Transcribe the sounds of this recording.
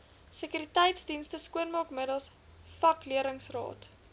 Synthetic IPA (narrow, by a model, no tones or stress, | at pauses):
səkyɾitɛjtsdinstəskuənmɑːkmədəlˠs | fɐkliəɾəŋsrɑ̰ːt